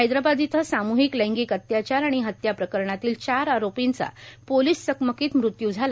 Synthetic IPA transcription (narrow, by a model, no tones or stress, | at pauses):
ɦajd̪ɾabad̪it̪ʰəsamuɦikləjŋɡiːkət̪jat͡ɕaɾaɽ̃iɦət̪japɾəkəɾɳat̪iːlt͡ɕaɾaɾopint͡sa̰poliːsːəkməkiːt̪mɾut̪jud͡zʱala